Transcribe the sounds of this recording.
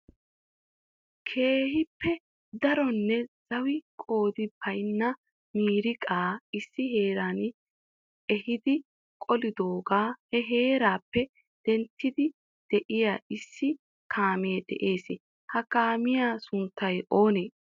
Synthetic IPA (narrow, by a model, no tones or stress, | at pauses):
kʰe̞ːɦɪpːɛ | d̪ɐɾɔnːɛz̥ɐwɪkʼo̞ːd̪ɪbɐjnːɐ | miːɾɪkʼaːɪsːɪɦe̞ːɾaːn | ɛhɪd̪ɪ | kʼɔlɪd̪oːɡaːhɛɦe̞ːɾaːpːɛ | d̪̥ɛnt̪ːɪd̪ɪ | d̪̥ɛʔɪjaːɪsːɪ | kʰaːmeːd̪ɛ̰ʔeːsɪ | hɐkaːmɪjaːsʊnt̪ːɐjʔo̞ːneː